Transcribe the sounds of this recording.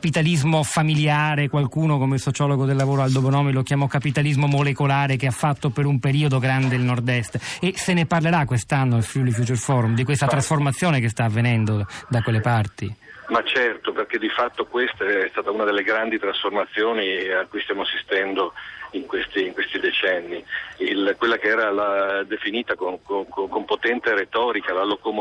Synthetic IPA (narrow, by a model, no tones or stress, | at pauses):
apit̪alizmofamiljaːɾekwalkuːnokomeilsot͡ʃɔːloɡod̪elːavoːɾoald̪obonɔːmilokjamɔkːapit̪alizmomolekolaːɾekeafːat̪ːopeɾumpeɾiːod̪oɡɾand̪elnord̪ɛst̪eseneparleɾakːwest̪anːoilfulifut͡ʃɛrfɔɾumd̪ikwest̪at̪ɾasformat̪sːjoːnekest̪aːvːenɛnd̪od̪akwelːepart̪imat͡ʃɛrt̪operk̟ed̪ifat̪ːokwest̪aɛst̪aːt̪aunad̪elːeɡɾand̪it̪ɾasformat̪sːjoːniakːuist̪jaːmoasist̪ɛnd̪oiŋkwest̪iːŋkwest̪id̪et͡ʃɛnːiilkwelːakeɛːɾalad̪efiniːt̪akonkokokompot̪ɛnt̪eɾet̪ɔːɾikalalokom